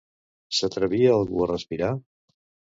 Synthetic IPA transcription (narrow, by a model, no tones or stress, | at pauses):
sət̪ɾəβiəːlˠɣuərəspiɾa